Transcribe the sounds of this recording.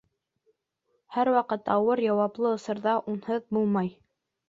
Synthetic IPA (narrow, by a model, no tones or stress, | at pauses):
hæɾwɑqɤt̪ɑwɤɾjɑwɑplˠɤŏsɤ̆ɾðɑʔunhɤðbulˠmɑj